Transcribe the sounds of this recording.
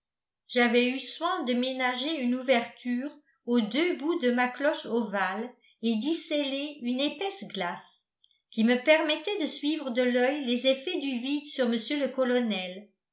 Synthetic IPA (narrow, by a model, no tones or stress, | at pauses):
ʒ̥avɛyswɛ̃d̪əmenaʒeynuvɛʁt̪ʰyːʁ | od̪øbud̪əmaklɔʃoval | ed̪isɛleynepɛsɡlas | kʲiməpɛʁmɛt̪ɛd̪əsɥivʁəd̪əlœjlezefɛd̪yvid̪syʁməsjøləkɔlɔnɛl